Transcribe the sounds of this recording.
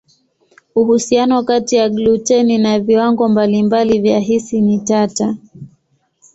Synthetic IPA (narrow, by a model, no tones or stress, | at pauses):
uhusianɔkatijaɡlut͡ʃɛninaviwaŋɡɔmbalimbalivjaɦisinitata